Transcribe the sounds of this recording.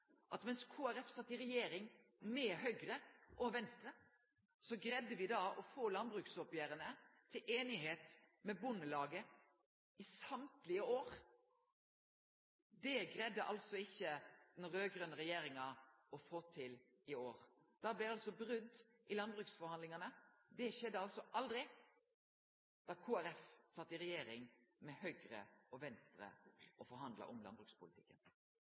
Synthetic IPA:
ʔɑt̪mɛnskʰoːæɾɛfsɑt̪ːɪɾɛjeːɾɪŋ | mɛɦœʏɡɾəʔɔʋɛnst̪ɾə | sɔɡɾɛd̪ːəʋɪd̪ɑːʔɔfoːlɑnbɾʉːksɔpjæːɾənət̪ʰɪlʔeːnɪɦeːt̪mɛbʊnːəlɑːɡə | ɪsɑmt̪lɪəoːɾ | d̪ɛɡɾɛd̪ːəʔɑ̰lsɔɪçːəd̪ɛnɾøːɡɾœnəʁɛjeːɾɪŋɑ | ɔfoːt̪ʰɪl | ɪoːɾ | d̪̥ɑːblɛɑlsɔbɾʉnt̪ | ɪlɑnbʁʉksfɔɾhɑnd̪lɪŋɑnəd̪ɛʃɛd̪ːəɑlsɔʔɑld̪ɾɪ | d̪̥ɑːkʰuːæɾɛfsɑt̪ːɪɾɛjeːɾɪŋmɛhœʏɡɾə̰ɔʋɛnst̪ʁə̰ʔɔfɔɾɦɑnd̪lɑ̰ʔʊmlɑ̰nbʁʉkspʊlɪt̪ʰɪkːən

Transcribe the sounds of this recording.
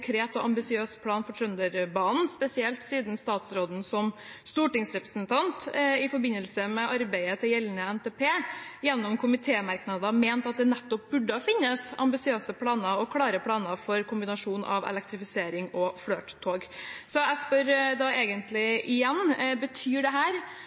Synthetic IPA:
ŋkʰɾeːt̪ɔʔɑmbɪsɪøːspʰlɑːnfɔʈʰɾœnd̪əɾbɑːn̩spɛsɪɛlt̪siːd̪n̩st̪ɑːt̪sɾoːd̪n̩sɔm | st̪uːʈɪŋsɾɛpɾəsnt̪ʰɑnt̪ɪfɔɾbɪnːəlsəmɛʔɑɾbæɪət̪ʰɪljɛlnəɛnt̪ʰeːpʰeːjɛnːɔmkʰʊmɪt̪ʰeːmɑɾknɑd̪əmeːnt̪ɑt̪̚d̪ɛnɛt̪ːɔp̚bʉɖːəɔfɪnːəsɑ̰mbɪsɪøːsəpʰlɑːnəɔkʰlɑːɾəpʰɽɑːnəfɔɾkʰʊmbɪnɑʂuːnʔɑ̰ʋɛ̰lɛk̚t̪ɾɪfɪseːɾɪŋɔfɽøːt̪t̪ʰːoːɡsɔɛspœɾd̪ɑeːɡənt̪lɪʔɪjɛnːbət̪ʰyːɖɛɦæːɾ

